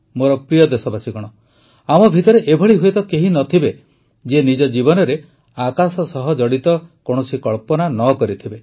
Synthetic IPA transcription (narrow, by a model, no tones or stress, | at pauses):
moɾɔpɾijɔd̪esɔbasikɔɽ̃ɔ | amɔbʱit̪ɔɾeʔebʱɔɭiɦuet̪ɔkeɦinɔt̪ʰibe | d͡ʒenid͡ʒɔd͡ʒibɔnɔɾe | akasɔsɔɦɔd͡ʒɔɽit̪ɔkoɽ̃ɔsikɔɭpɔnanɔkɔɾit̪ʰibe